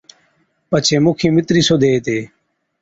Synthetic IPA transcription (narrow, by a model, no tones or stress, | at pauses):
pət͡ʃʰeːmʊkʰĩːmɪt̪ɾiːsoːd̪ʱeːt̪eː